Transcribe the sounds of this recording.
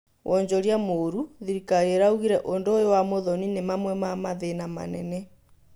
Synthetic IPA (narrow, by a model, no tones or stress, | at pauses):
wʔɔɲd͡ʑɔɾjamoɾuðiɾikaɾeɾauɣiɾɛʔondoːjowamoðɔninemamwɛmamaðenama̰nɛnɛ